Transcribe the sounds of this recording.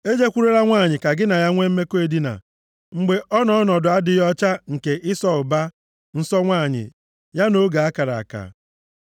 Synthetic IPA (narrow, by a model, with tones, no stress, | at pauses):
e˦d͡ʒe˦kʷu˦ɾe˦ɾa˦ŋʷa˦˨ɲɪ˨ka˨ɡɪ˦na˨ja˦ŋʷe˦m̩˦me˦ko˦e˨di˦na̰˨ | ŋ͡m̩˨ɡ͡be˨ʔɔ˦nɔ˦ɔ˦nɔ˨dʊ˨a˦dɪ˨jɔ˦t͡ʃa˦ŋ̩˨ke˨ʔɪ˦sɔ˦ʊ˨ba˦ | n̩˦sɔ˦ŋʷaː˦˨ɲɪ̰˨ | ja˦no˦ɡa˨a˦ka˨ɾa̰˨a̰˨ka̰˨